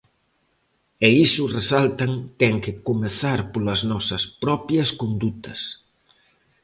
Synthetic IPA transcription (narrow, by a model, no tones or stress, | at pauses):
eisʊresalt̪ɐŋt̪ɛŋkɪkomeθaɾpolɐznɔsɐspɾɔpjɐskond̪ut̪ɐs